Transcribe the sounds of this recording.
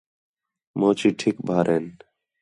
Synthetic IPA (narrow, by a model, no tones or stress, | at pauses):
moːt͡ʃiːʈʰɪk̚bʱaːɾʔeːn